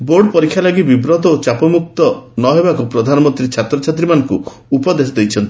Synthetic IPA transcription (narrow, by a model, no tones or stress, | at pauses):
boɾɖɔpɔɾikʰːjalɔɡibibɾɔt̪ɔot͡ʃapɔmuk̚t̪ɔnɔɦebakupɾɔd̪ʱanɔmɔnt̪ɾit͡ʃʰat̪ɾɔt͡ʃʰat̪ɾimanɔŋkuː | pɔd̪es̬ɔd̪ejt͡ʃʰɔnt̪i